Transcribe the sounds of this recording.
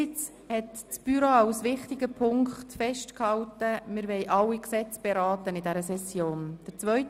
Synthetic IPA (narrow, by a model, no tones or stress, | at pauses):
ɪt͡s | hɛtt͡sb̥yɾoaʊsʋɪχtɪɡəpʰʊŋkχtfɛʃtkhɑwtəmɪɾʋɛɪʔɑlːiksɛt͡sb̥ɛɾɑːtənɪdɛɾəsɛsjoːnd̥əɾt͡sʋœʏt